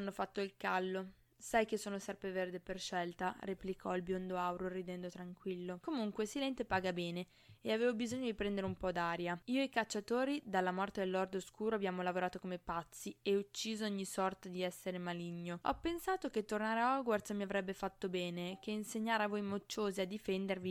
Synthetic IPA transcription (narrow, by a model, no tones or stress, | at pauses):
anːofat̪ːoilkalːo | sajkesːoːnosɛrpɾeverd̪eperʃɛlt̪areplikʰɔilbjond̪oawɾorid̪ɛnd̪ot̪ɾaŋkwilːokomuŋkwesilɛnt̪epaːɡabɛːne | eaveːvobizoɲːod̪ipɾɛnd̪eɾeumpɔd̪aːɾjaiːoekat͡ʃːat̪oːɾid̪alːamɔrt̪ed̪elːɔrd̪oskuːɾoabjaːmolavoɾaːt̪okomepat̪sːieut͡ʃːiːzooɲːisɔrt̪ad̪iɛsːeɾemaliɲːoɔ̰pːensaːt̪ok̟et̪ːornaːɾeaɔɡwart̪smiavɾɛbːefat̪ːobɛːnekeinseɲːaːɾavojmot͡ʃːoːziad̪ːifɛnd̪ervi